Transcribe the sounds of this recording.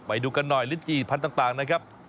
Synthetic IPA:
ma˨˩˦jduː˧ka˧nːɔː˨˩jli˦˥t̚t͡ɕiː˨˩pʰa˧nt̪aː˨˩ŋt̪aː˨˩ŋna˨˦kʰaː˦˥p̚

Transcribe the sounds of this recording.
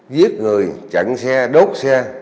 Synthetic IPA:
vi˦˥ət̚ŋɨ˨˩əjt͡ɕa̰˧˩ŋsɛ˧ɗo˦˥t̚sɛ˧

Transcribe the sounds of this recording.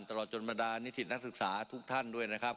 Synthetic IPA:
nt̪a˧lɔː˨˩t̪̚t͡ɕo˧nba˧daː˧ni˦˥t̪ʰi˩na˦˥k̚sɯ˨˩k̚saː˩˦t̪ʰu˦˥k̚t̪ʰa˥˩ndu˥˩əjna˦˥kʰa˦˥p̚

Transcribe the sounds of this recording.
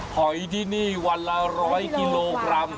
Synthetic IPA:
pʰɔ˨˩˦jdi˦˧˩niː˥˩wa˧˥lːa˧ɾɔː˦˥jki˧lloː˧kɾa˧m

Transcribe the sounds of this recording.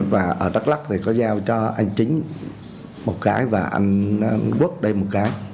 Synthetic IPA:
vaː˨˩ʔəː˧˩ɗa˦˥k̚la˦˥k̚t̪ʰi˨˩kɔ˨˦zaː˧wt͡ɕɔ˧ʔa˧jŋ̟t͡ɕï˨˦ŋ̟ | mo˨˩t̚kaː˨˦jvaː˨˩ʔa̰˧jŋ̟˧ku˦˥ət̚ɗə˧jmo˨˩t̚kaː˨˦j

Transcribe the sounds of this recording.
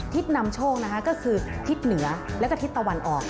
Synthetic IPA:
t̪ʰi˦˥t̪̚na˧mt͡ɕʰoː˥˩k̚na˦˥kʰa˦˥kɔ˥˩kʰɯː˧t̪ʰi˦˥t̪̚nɯ˩˦ɐlɛ˦˥wkːɔ˥˩t̪ʰi˦˥t̪ːa˧wa˧nʔɔː˨˩k̚

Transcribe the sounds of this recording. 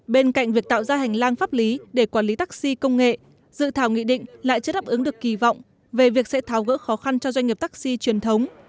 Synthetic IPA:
ɓe˧nka̰˧˨jŋ̟vi˨˩ək̚t̪a̰ː˧˨wzaː˧ɦa˨˩jŋ̟laː˧ŋfaː˦˥p̚li˨˦ɗe˧˩kwaː˧˩nli˨˦t̪aː˦˥k̚si˧kə˧wŋ͡mŋḛ˧˨ | zɨ̰˧˨t̪ʰaː˧˩wŋḭ˧˨ɗḭ̈˧˨ŋ̟la̰ː˧˨jt͡ɕɨː˧˦ɗaː˦˥p̚ʔɨ˨˦ŋɗɨ˨˩əkːi˧˩vɔ̰˧˨wŋ͡m | ve˨˩vi˨˩ək̚sɛ̰˧˥t̪ʰaː˨˦wɣə̰ː˧˥xɔ˨˦xa˧nt͡ɕɔ˧zwa˧jŋ̟ːi˨˩əp̚t̪ːk̚si˧t͡ɕi˨˩ənt̪ʰə˨˦wŋ͡m

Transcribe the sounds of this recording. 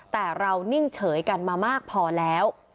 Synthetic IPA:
t̪ɛː˨˩ɾa˧wnɯ˥˩ŋt͡ɕʰɤː˩˦jka˧nmaː˧maː˥˩k̚pʰɔː˧lɛː˦˥w

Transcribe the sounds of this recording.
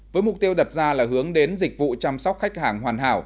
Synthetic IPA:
vəː˨˦jmʊ˨˩k͡p̚t̪i˧əwɗə˨˩t̚zaː˧laː˨˩ɦɨ˨˦əŋɗe˨˦nzï˨˩k̚vṵ˧˨t͡ɕa˧msɔ˦˥wk͡p̚xa˦˥jk̟̚haː˧˩ŋhwaː˨˩nɦa̰ː˧˩w

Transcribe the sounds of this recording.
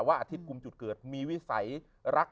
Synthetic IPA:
waː˥˩ʔa˧t̪ʰi˦˥t̪̚ku˧mt͡ɕu˨˩t̪̚kɤː˨˩t̪̚miː˧wi˦˥sa̰˩˦j | ɾa˦˥k̚

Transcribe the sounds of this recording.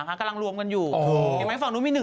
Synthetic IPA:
a˨˩kʰaː˧˩ka˧la˧ŋɾu˧əmka˧njuː˨˩˧e˧˩˨ma˦˥˩fa˨˩ŋnuː˦˥miː˧nɯ˨˩

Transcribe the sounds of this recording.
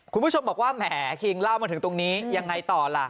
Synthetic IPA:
kʰu˧nmbu˥˩o˧mbɔː˨˩k̚waː˥˩mɛː˩˦kʰi˧ŋla˥˩wmaː˧t̪ʰɯ˩˦ŋt̪o˧ŋniː˦˥ja˧ŋːa˧jt̪ɔː˨˩la˨˩ʔ

